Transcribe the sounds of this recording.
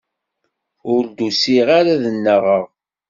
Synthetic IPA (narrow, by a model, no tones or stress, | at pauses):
ʊɾd̪usiʁaɾaðənːəʁəʁ